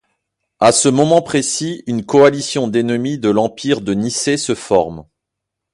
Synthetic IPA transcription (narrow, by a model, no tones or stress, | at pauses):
asəmɔmɑ̃pχesiynkɔalisjɔ̃d̪enəmid̪əlɑ̃piʁd̪ənisesəfɔʁm